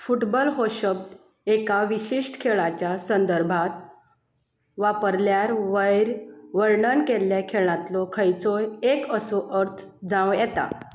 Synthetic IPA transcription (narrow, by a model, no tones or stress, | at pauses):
fuʈbɔlɦoɕəb̚d̪ | ekaʋiɕiʂʈkʰeɭat͡ɕjasənd̪əɾbʱat̪ | ʋapəɾljaɾʋəjɾʋəɾɳənkelːjakʰeɭ̃ãt̪lɔkʰəjt͡sɔjekəsoʔəɾt̪ʰ | d͡zãwjɛt̪a̰